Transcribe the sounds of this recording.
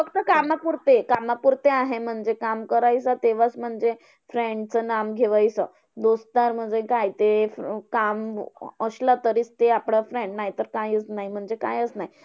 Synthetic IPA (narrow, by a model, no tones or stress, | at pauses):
fəkt̪əkamapuɾt̪ekamapuɾt̪eaɦem̤əɳd͡zekamkəɾajsat̪eʋat͡sm̤əɳd͡ze | fɾeɳɖt͡sənamɡʱeʋajsə | d̪ost̪aɾm̤əd͡zekajt̪ekaməɕlət̪əɾiːt͡st̪eapɽafɾẽɳɖnaɦjt̪əɾkajət͡snaɦim̤əɳd͡zeka̰jət͡snaɦi